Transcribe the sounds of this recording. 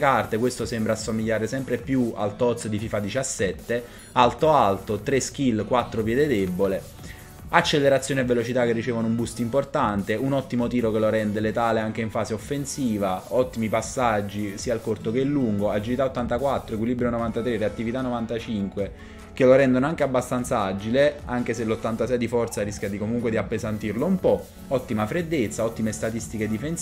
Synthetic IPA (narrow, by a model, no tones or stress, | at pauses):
kart̪ekwest̪osembɾaːsːomiʎːaːɾesɛmpɾepjua̰lt̪ɔt̪sd̪ififad̪it͡ʃasːɛt̪ːe | alt̪oalt̪ot̪ɾesk̟ilːkwat̪ːɾopjɛːd̪ed̪ebːole | at͡ʃːelːeɾat̪sːjoːnevːelot͡ʃit̪akːerːit͡ʃeːvonoumbust̪import̪ant̪eunɔt̪ːimot̪iːɾokeloɾɛnd̪elet̪aːleaŋk̟eiɱfaːseofːensiːvaɔt̪ːimipasːad͡ʒːisiːalkort̪okelːuŋɡoad͡ʒilit̪aot̪ːant̪akwat̪ːɾoekwilibɾjonovant̪at̪ɾereat̪ːivit̪anːovant̪at͡ʃiŋkwe | keloɾɛnd̪onoaŋk̟eabːast̪ant̪saad͡ʒileaŋk̟eselːot̪ːant̪asɛjd̪ifɔrt̪saɾisk̟jad̪ikomuŋkwed̪iapːezant̪irloumpɔ | ɔt̪ːimafɾed̪ːet̪sːaɔt̪ːimest̪at̪ist̪iked̪ifen